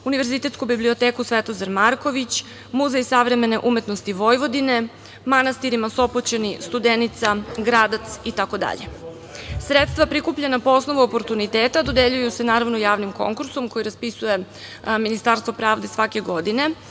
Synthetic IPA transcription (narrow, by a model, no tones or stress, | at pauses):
uniʋe̞ɾzit̪e̞t̪skubiblio̞t̪eːkusʋet̪ozaɾmaɾko̞ʋit͡ɕ | muzeisaʋɾe̞me̞ne̞ʔume̞t̪nost̪iʋo̞jʋo̞d̪ine̞ | manast̪iɾimaso̞pot͡ɕenist̪ud̪enit̪saɡɾaːd̪at̪sit̪ako̞d̪a̰ʎḛ | sɾet̪st̪ʋapɾikupʎenapoosno̞ʋuopo̞ɾt̪unit̪eːt̪ad̪o̞d̪eʎujuse̞naːɾaʋnojaːʋnimko̞̰ŋkuɾso̞mko̞jiɾaspisuje̞ | minist̪aːɾst̪ʋo̞pɾaːʋd̪e̞sʋake̞ɡo̞d̪ine̞